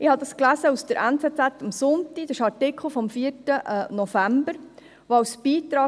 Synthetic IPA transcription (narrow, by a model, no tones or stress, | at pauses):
ʔɪhɑd̪ɑsklæzəusd̥əɾʔɛnt͡sɛːt͡sætːɑmsʊntid̥̪ɪʃɑɾtɪkʰl̩ˠfɔmfiːəɾtənɔfæmbəɾ | ʋoɑwsb̥iːt̪ɾɑː